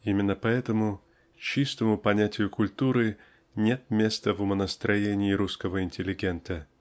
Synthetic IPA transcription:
imʲɪnːəpɐɛt̪əmʊ | t͡ɕist̪əmʊpɐnʲætʲɪjʊkʊlʲt̪uɾɨ | nʲe̞t̪̚mʲe̞st̪əvʊmənəst̪ɾʔɐjenʲɪːɾuskəvəɪnʲtʲɪlʲɪɡʲent̪ə

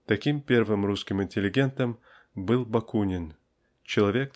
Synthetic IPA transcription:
t̪ɐkʲimpʲe̞rvɨmɾuskʲɪmɪnʲtʲɪlʲɪɡʲe̞nt̪əm | bɨlˠbɐkunʲɪn | t͡ɕɪlˠɐvʲe̞k̚

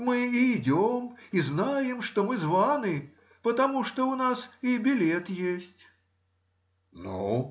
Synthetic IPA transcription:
mɨiːdʲɔmiznajɛmʂt̪ɔmɨzvanɨ | pət̪amuʂt̪ɔunasibʲilʲɛt̪jesʲtʲ | nu

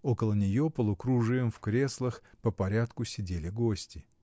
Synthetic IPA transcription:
okəlˠənʲɪjo̞pəlˠʊkɾuʐɨjəmfkɾʲe̞slˠəxpəpɐɾʲat̪kʊsʲɪdʲelʲɪɡosʲtʲɪ

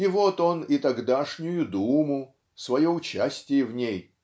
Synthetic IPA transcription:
ɪvot̪o̞nɪt̪ɐɡd̪aʂnʲʊjʊd̪umʊ | svɐjoʊt͡ɕæsʲtʲɪjəvnʲej

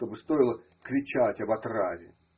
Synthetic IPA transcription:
t̪obɨst̪o̞jɪlˠə | kɾʲɪt͡ɕatʲɐbɐt̪ravʲɪ̰

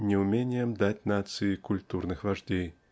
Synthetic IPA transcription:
nʲɪʊmʲenʲɪjəmd̪atʲnat̪sɨɪkʊlʲt̪urnɨxvɐʐdʲej

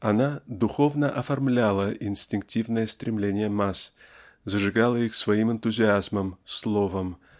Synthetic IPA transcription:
ɐnad̪ʊxo̞vnəʔɐfɐrmlʲalˠəʔɪnsʲtʲɪŋk̚tʲivnəjəst̪ɾʲɪmlʲenʲɪjəmas | zəʐɨɡalˠəixsvɐimɨnt̪ʊzʲɪazməmslˠo̞vəm

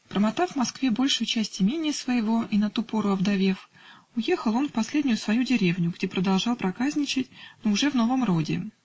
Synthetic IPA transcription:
pɾəmɐt̪avvmɐskvʲe̞bo̞lʲʂʊjʊt͡ɕæsʲtʲɪmʲenʲɪjəsvəjɪvo̞inɐt̪upo̞ɾʊɐvd̪ɐvʲe̞f | ʊjexəlˠo̞nfpɐsʲlʲedʲnʲʊjʊsvɐjudʲɪɾʲe̞vnʲʊɡdʲepɾəd̪ɐlˠʐɑlˠpɾɐkazʲnʲɪt͡ɕɪtʲnoʊʐɛvno̞vəmro̞dʲɪ̰

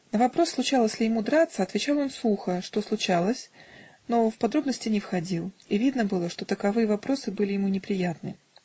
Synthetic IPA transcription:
nəvɐpɾo̞slˠʊt͡ɕalˠəsʲlʲɪjɪmud̪ɾat̪səɐt̪vʲɪt͡ɕalˠo̞nsˠuxəʂt̪o̞slˠʊt͡ɕalˠəsʲno̞fpɐd̪ɾo̞bnəsʲtʲɪnʲɪfxɐdʲilˠivʲid̪nəbɨlˠəʂt̪o̞t̪əkɐvɨjəvɐpɾo̞sɨbɨlʲɪjɪmunʲɪpɾʲɪjat̪nɨ̰

